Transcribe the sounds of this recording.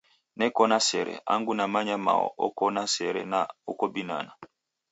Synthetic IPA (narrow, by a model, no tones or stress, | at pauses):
nɛkɔnasɛɾɛ̰a̰ŋɡunamaɲama̰wɔ̰ʔɔkɔnasɛɾɛ̰na̰ɔkɔbina̰na